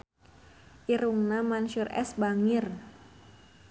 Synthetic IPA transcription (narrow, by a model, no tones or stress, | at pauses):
ʔiɾuŋnamanʃurʔɛ̰sbaŋɪr